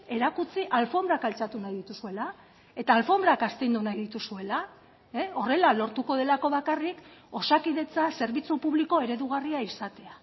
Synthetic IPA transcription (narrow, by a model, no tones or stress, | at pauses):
e̞ɾakut͡siʔalfo̞mdɾakalt͡sat̪unajðit̪usue̞la | e̞t̪aːlfo̞mbɾakast̪ejnd̪unajðit̪usue̞la | eo̞re̞lalo̞ɾt̪uko̞ð̞e̞lako̞βakariko̞sakiðe̞t͡sase̞ɾβit͡supuβliko̞e̞ɾe̞ðuɣ̞ariaisat̪e̞a